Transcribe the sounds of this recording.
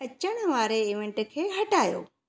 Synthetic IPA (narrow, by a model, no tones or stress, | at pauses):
ət͡ʃəɽ̃əʋaɾeeʋẽɳʈəkʰeɦəʈajo̰ː